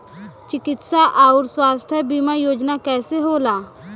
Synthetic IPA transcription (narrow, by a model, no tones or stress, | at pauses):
t͡ʃɪkɪt̪saʔaːʊɾswaːst̪ʰjəbimajoːd͡ʒnakɛːseɦoːlaː